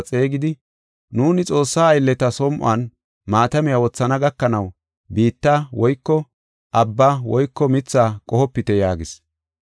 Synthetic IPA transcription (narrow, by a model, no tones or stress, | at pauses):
t͡sʼeːɡɪd̪ɪ | nuːnɪt͡sʼo̞ːsːaːjlːɛt̪ɐsɔmʔʊa̰ːn | maːt̪ɐmɪjawɔt͡sːɐnɐɡɐkːɐnɐw | biːt̪ːawɔjkːɔ | ʔɐbːawɔjkːɔmɪt͡sːaːkʼɔhɔpːɪt̪ɛjaːɡɪs